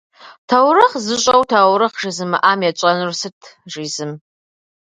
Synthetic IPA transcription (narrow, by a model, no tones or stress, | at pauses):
tʰawrɨχzɨɕʷʼɐwtʰaːwɾɨχʒɪzɨmɨ̰ʔaːmjat͡ʃʷʼɐnrsɨtʰʒiːzɨm